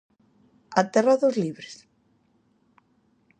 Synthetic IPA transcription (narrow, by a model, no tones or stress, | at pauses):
at̪eraðozliβɾes